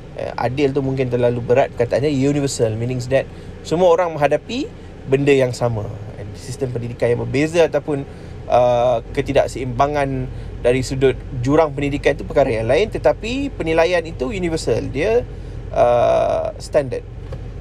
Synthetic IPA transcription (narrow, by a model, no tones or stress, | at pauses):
ə̰ʔa̰dɪlt̪̬umuŋk̬ɪnt̪ərlalubəɾat̪̚kat̪aanɲajunivəsəlminɪ̃ŋs̬dɛt̪̚ | səmuaoɾaŋmə̃ŋɦadapi | bəndəjaŋsamãɛ̰nsist̪əmpəndidikanjaŋbərbezəat̪awpʊn | ʔəkət̪ida̰ʔsəimbaŋandaɾisudʊt̪̚d͡ʒuɾaŋpəndidikant̪upəkaɾajaŋlaɪnt̪ət̪apipənilajanit̪ujunivəsəldiə | ʔə | st̪andə̰d̚